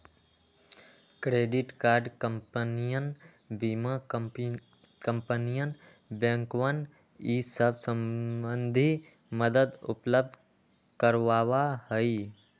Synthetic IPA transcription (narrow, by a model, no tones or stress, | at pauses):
kɾeːɖɪʈkaːɾɖkəmpənijən | biːma | kə̃mpənijən | bə̃ŋkʋən | isəbsə̃mənd̪ʱi | məd̪əd̪ʊ̰pləb̚d̪ʱ | kəɾʋaːwaɦəi